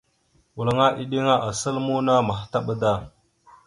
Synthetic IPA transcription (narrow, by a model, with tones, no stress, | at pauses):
wu˨la˨ŋa˦ʔi˦ɗi˦ŋa˦ʔa˨sa˦lmu˦na˦ma˨xta˦ɓa˦da˦˨